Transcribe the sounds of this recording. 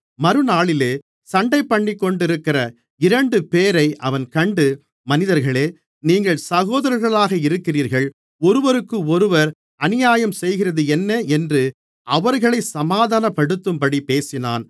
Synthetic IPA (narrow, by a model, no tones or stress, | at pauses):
mɐɾɯnaːɭɪleː | sɐɳɖɐɪpːɐɳːikːɔɳɖɪɾɯkːɪrɐ | ɪɾɐɳɖɯpeːɾɐɪʔɐʋɐnkɐɳɖɯ | mɐnɪðɐɾɣɐɭeː | niːŋɡɐɭsɐɣoːðɐɾɐɾɣɐɭaːɣɐɪɾɯkːɪriːɾɣɐɭ | ɔɾɯʋɐɾɯkːɯɔɾɯʋɐɾ | ɐnɪjaːjɐmsɛjɣɪrɐðɯɛnːɐɛndrɯ | ʔɐʋɐɾɣɐɭɐɪsɐmaːðaːnɐpːɐɽɯt̪ːɯmpɐɽipeːsɪna̰ːn